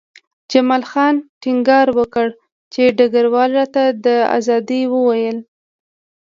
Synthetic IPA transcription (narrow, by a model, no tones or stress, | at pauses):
d͡ʒamɑlxɑnʈɪŋɡɑɾwəkəɽ | t͡ʃeɖaɡaɾwɑlɾɑt̪ad̪əa̰zɑd̪iwəwajəl